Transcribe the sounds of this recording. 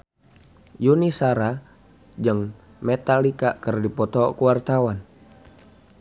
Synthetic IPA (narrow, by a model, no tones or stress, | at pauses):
junisaɾa | d͡ʒɨŋ | mɛt̪alikakərdipɔt̪ɔkuwart̪awan